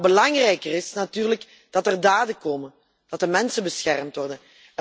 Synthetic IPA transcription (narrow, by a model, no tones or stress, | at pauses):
bəlɑŋrɛjkərɪsnatyːrlək | d̥ɑtərdaːdəkoːmə | d̥ɑtəmɛnsəbəsxɛrmtʋɔrdən